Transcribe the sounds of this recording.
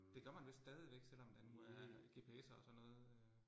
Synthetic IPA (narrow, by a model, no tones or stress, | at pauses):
d̥e̝ɡ̥ɶɐmænʋe̝sd̥ɛːð̞ˠiʋeɡ̥sel̰ɒ̽md̥ænmuææɡ̥e̝pʰe̝sɐɒsɒ̽nːɔ̽ːð̩ˠ